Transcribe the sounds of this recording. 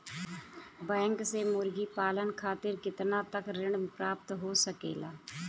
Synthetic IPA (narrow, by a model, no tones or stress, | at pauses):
bɛ̃ːŋksemʊɾɡipaːlənkʰaːt̪ɪɾkɪt̪nat̪əkɾɪ̃ɳpɾaːp̚t̪ɦoːsəkḛːlaː